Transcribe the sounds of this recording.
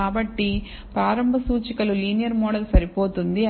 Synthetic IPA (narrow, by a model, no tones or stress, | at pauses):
aːbɐʈːi | pɾaːɾɐmbʱɐsuːt͡ʃikɐluliːnijɐɾmoːɽɐlɐsɐɾipoːt̪und̪i